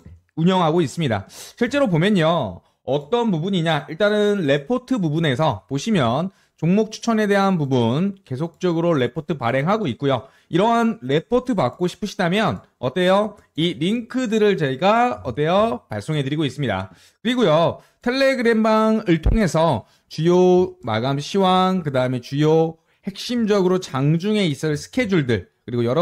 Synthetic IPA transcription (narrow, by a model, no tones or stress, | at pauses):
uɲʌŋɦaɡois͈ɯmɲida̰ɕʰiɭt͡ɕ͈e̞ɾobomjʌɲo | ʌt͈ʌnpubuɲiɲaiɭt͈anɯnɾe̞pʰotʰɯpubune̞s̬ʰʌpoɕʰimjʌn | t͡ɕoŋmok̚t͡ɕʰu̥t͡ɕʰʌne̞de̞ɦanpubunke̞sʰok̚t͡ɕ͈ʌɡɯɾoɭe̞pʰotʰɯpaɾe̞ŋɦaɡoit̚k͈ujo | iɾʌɦanɾe̞pʰotʰɯpak̚k͈oɕʰi̥pʰɯɕʰidamjʌn | ʌt͈ejʌ | iɾiŋkʰɯdɯɾɯɭt͡ɕeiɡaʌt͈ejʌpaɭs͈oŋɦe̞dɯɾiɡois͈ɯmɲida̰ | kɯɾiɡojo | tʰe̞ɭːe̞ɡɯɾe̞mbaŋɯɭtʰoŋɦe̞sʰʌ | t͡ɕujoma̰ɡamɕʰiwaŋkɯdaɯme̞t͡ɕujo | he̞k̚ɕ͈imd͡ʑʌɡɯɾot͡ɕaŋd͡ʑuŋe̞is͈ɯɭsʰɯ̥kʰe̞d͡ʑuɭdɯɭ | kɯɾiɡojʌɾʌ